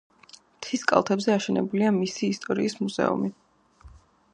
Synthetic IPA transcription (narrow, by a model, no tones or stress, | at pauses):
mt̪ʰiskʼa̰lˠt̪ʰɛbzɛaʃɛnɛbuliamisiːst̪ʼɔɾiːsmuz̥ɛ̰ṵmi